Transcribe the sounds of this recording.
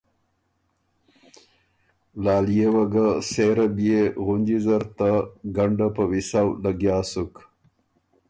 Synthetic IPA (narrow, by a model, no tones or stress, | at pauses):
lɑːlijewaɡaseɾabijeɣund͡ʒizaɾt̪aɡaɳɖapəwisawlaɡjaːsuk